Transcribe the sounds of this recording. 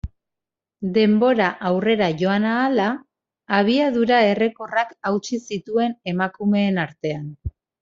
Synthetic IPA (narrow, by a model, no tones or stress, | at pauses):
d̪e̞mbo̞ɾaʔawre̞ɾaʝo̞anaːlaː | β̞iað̞uɾae̞re̞ko̞rakawt͡ʃisit̪ue̞ne̞makume̞ːnaɾt̪e̞an